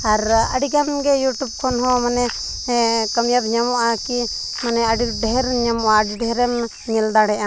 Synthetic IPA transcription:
aɾə̰ɖiɡamɡɛjuʈub̚kʰɔnɦɔ̃manɛ | kəmjab̪ɲamɔʔaki | manɛaɖiɖɛɦɛɾɲamɔʔaɖiɖɛɾɛm | ɲild̪aɽɛʔa

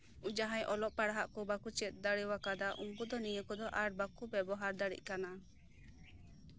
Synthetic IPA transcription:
ud͡ʒaɦãjʔɔlɔʔpaɽaɦaʔkɔbakut͡ʃɛt̪̚ˀd̪aɽiwakad̪aʔumbud̪ɔnijəkɔd̪ɔʔaɾbakubɛbɔɦaɾd̪aɽḭc̚ˀkana

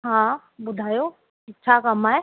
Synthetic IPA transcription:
ɦãː | bʊd̪ʱaːjo | ɪːt͡ʃʰakɐmaːɦe

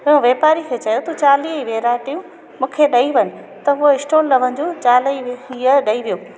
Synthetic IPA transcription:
ɪũʋeːpaːɾikʰeːt͡ɕɐjot̪ut͡ɕaːliːiʋeːɾaːʈijũ | mũːkʰeɗɐiʋɐɲɪ̆ | t̪ɐɦʊoɪsʈoːlːɐʋən̆d͡ʑoːt͡ɕaːliiəɗɐiʋijoː

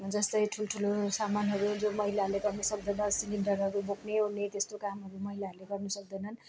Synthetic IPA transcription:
d͡zʌst̪ʌjʈʰulʈʰulosamanɦʌɾud͡zomʌɦilaɦʌɾleɡʌrnʌsʌk̚d̪ʌnʌsiliɳɖʌɾɦʌɾubokʰneɦunnet̪est̪okamɦʌɾumʌɦilaɦʌɾuleɡʌrnʌsʌk̚d̪ʌjnʌn

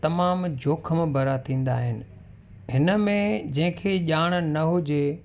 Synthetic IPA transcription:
t̪ɐmaːmd͡ʑʱoːkʰəmẽbʱɐɾat̪ʰĩːn̆d̪aːɦɪnɪ̆ | ɦɪnə̆mẽd͡ʑɐ̃ɦɪ̃kʰeʄaːɽ̃̆nɐɦʊd͡ʑe

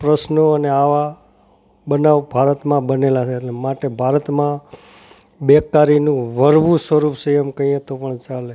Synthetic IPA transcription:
pɾəsnoəneaʋa | bənaʋbʱaɾət̪mãbənelat͡ʃʰeːʈlemaʈebʱaɾət̪mã | bekːaɾinũʋəɾʋũsʋəɾupsəjəmkə̃ĩẽt̪opəɳt͡ʃale

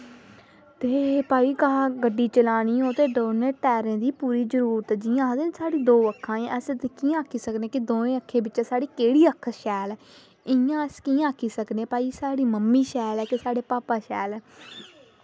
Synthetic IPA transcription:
t̪eːpaːiːkaɡəɖːiːt͡ʃəlaːɽ̃iːɦoːt̪eːɖoːneːʈɛːɾẽːd̪iːpuːɾiːd͡ʒəɾuːɾət̪d͡ʒɪːãːd̪ensaːɽiːd̪oːəkʰːãːẽʔəst̪kĩːãːkʰiːsəkneːkɪd̪oːẽːəkʰːeːbɪt͡ʃɛsaːɽiːkeːɽiːəkʰːʃɛːlɛ | ɪjãːəskiːãːkʰːiːsəkneːpaːiːsaːɽiːməmːiːʃɛːlɛːkɪsaːɽeːpaːpaːʃɛːlɛː

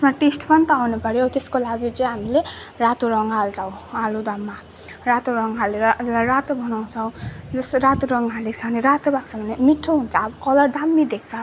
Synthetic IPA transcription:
tsmaʈesʈpʌnt̪ʌanupʌɾjot̪eskolaɡjot͡sʌj̃ɦamilerat̪uɾʌŋɡɦalt͡sʰʌw̃alud̪amːa | rat̪oɾʌŋɡɦalːeɾʌd͡zʌlajɾat̪obʱʌnaw̃t͡sʰʌw̃d͡zʌsɾat̪uɾʌŋɡɦalekt͡sʰʌneɾat̪obak̚t͡sʰʌbʱʌnemiʈʰːoɦunt͡sʰʌːbʌkʌlʌrd̪amːid̪ek̚ʰt͡sʰʌ

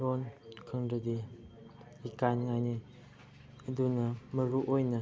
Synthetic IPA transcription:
ɾonkʰəŋdəd̪i | ikanŋani | ədunəməɾuʔojnə

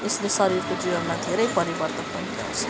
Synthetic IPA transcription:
eslesʌɾiɾkod͡zibʌnmad̪ʱeɾʌjpʌɾibʌrt̪ʌpp̪ʌnt̪ʰia̰wt͡sʰʌ̥

